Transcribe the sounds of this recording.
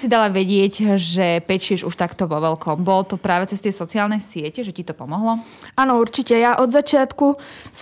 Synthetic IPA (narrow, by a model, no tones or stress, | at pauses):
sid̪alaʋɛɟɪɛɟʒɛpɛt͡ʃɪɛʒuʃt̪akt̪ɔʋɔʋɛlkɔmbɔlɔt̪ɔpɾaːʋɛt͡sɛst̪ɛjsɔt͡siaːlnɛjsɪɛcɛʒɛcit̪ɔpɔmɔɦlɔanɔuɾt͡ʃicɛjaʔɔd̪zat͡ʃɪat̪kus